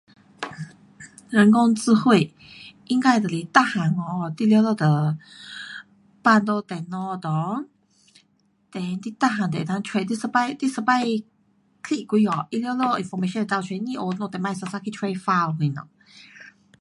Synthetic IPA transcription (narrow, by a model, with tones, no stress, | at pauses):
ɻə˧˥nko˥ŋt͡sɹ̩˥˧xwe˥˩ɪ | i˥ŋka˥˩ɪd̪ə˨˩li˨˧˩t̪a˥˧xa˧˥ŋɔ˧t̪i˥˧ljo˥˧lɔ˥˧˩d̪ə˨˩ | pa˥˧nt̪o˥˧t̪ɛ˨˩nɔ˥˧d̪ɔ˧ | t̪ɛ˨˧nt̪i˧t̪a˥˩xa˧˥nd̪ɛ˨˧˩t̪a˧ntʰwe˥˧t̪i˥˧s̩˧pa˥˧ɪt̪i˥˧s̩˧pa˥˧ɪ | kʰi˥˨i˨˩kʷi˥˧ɔ˨˩ʔi˥˧ljɔ˥˧ʊlɔ˥˧˩i˨nfɔ˧me˧ʃɔ̃˥˧d̪ə˨˩a˥˧ʊt͡ɕʰɛ˧ni˥˧ʔo˧nɔ˥˧˩t̪ɛ˨˩ma˥˧ɪsə˧sa˥kʰi˧tʰwɛ˧ɪfa˥˧lki˧˩nɔ̰˧˩